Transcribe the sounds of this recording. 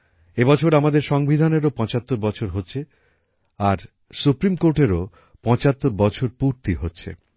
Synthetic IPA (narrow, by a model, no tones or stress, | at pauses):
ebɔt͡ɕʰoɾamad̪eɾʃɔŋbid̪ʱaneɾopɔ̃t͡ɕat̪ːoɾbɔt͡ɕʰoɾɦotːɕʰe | aɾ | supɾimkoɾʈeɾo | pɔ̃t͡ɕat̪ːoɾbɔt͡ɕʰoɾpuɾt̪iɦotːɕʰḛ